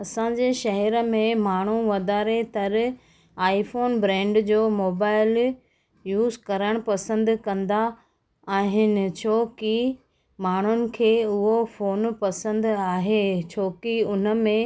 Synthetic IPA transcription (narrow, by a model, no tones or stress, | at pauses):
ɐsãːd͡ʑeːʃɐɦɛɾəmẽmaːɳ̤uʋɐd̪aːɾet̪ɐɾ | aːifoːnbɾɛ̃ːɳɖd͡ʑoːmoːbaːɪl | juːzkɐɾəɽ̃pɐsə̃nd̪kɐ̃nd̪a | aːɦɪnɪ̆t͡ɕʰoːki | maːɳ̤ʊnɪ̆kʰeːʊɦofoːnpɐsə̃nd̪aːɦet͡ɕʰoːkiʊn̤ə̆mẽ